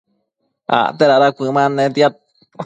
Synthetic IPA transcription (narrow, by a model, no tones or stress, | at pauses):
a̰t̪eɾaɾakʷɨ̃mãnẽt̪iat̪̚